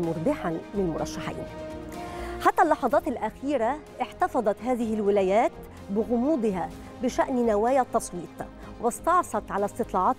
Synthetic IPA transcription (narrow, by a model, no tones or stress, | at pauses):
mʊɾˤbɪħanmɪnlmʊɾˤɑ̰ʃːaħḭːn | ħat̪ːælːɑħɑðˤɑːt̪ɪlʔæxiːɾaʔɪħt̪ɑfɑðˤɑt̪ɦaːðɪɦɪlwɪlæːjæːt̪ | bɪɣʊmuːd̪ˤɪɦa | bɪʃæʔnnawaːjat̪ːɑsˤwiːt̪ˤ | wɪst̪ɑʕsˤɑt̪ʕalæst̪ɨt̪ˤlɑːʕɑːt̪